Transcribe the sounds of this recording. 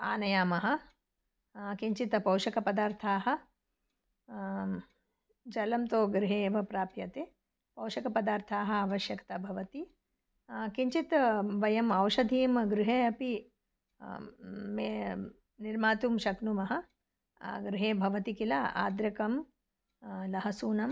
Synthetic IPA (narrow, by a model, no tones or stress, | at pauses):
a̰ːnɐjaːmɐɦɐ̆ | kiɲt͡ʃit̪pɐwʃɐkɐpɐd̪aːɾt̪ʰaːɦɐ̆ | d͡ʒɐlɐmt̪oːɡɾɪɦeːʋɐpɾaːpjɐt̪e | pɐwʃɐkɐpɐd̪aːɾt̪ʰaːɦɐ̆aːʋɐʃjɐkt̪ɐbʱɐʋɐt̪i | kiɲt͡ʃit̪ʋɐjɐmɐwʃɐd̪ʱiːmɡɾɪɦeːɐpi | me | niɾmaːt̪umʃɐknumɐɦɐ̆ | ɡɾɪɦeːbʱɐʋɐt̪ikilaa̰ːd̪ɾɐkɐm | lɐɦɐsuːnɐm